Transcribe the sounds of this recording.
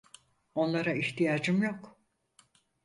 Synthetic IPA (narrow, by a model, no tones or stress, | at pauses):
o̞nlˠaɾaiçt̪ʰijaːd͡ʒɯmjok